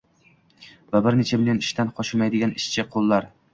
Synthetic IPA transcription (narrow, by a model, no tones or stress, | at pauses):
vabɪɾnet͡ʃʰabɪlanɪʃt̪ʰanqʰɒʃɪmajd̪ɪɡʲanɪʃt͡ʃʰɪqʰolˠːaɾ